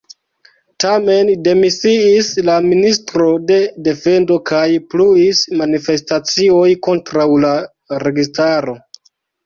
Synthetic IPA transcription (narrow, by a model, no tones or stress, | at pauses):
tame̞nde̞misiislaministɾo̞de̞de̞fe̞ndo̞kʰajpluismanife̞stat͡sio̞jko̞ntɾawla | ɾe̞ɡistaɾo̞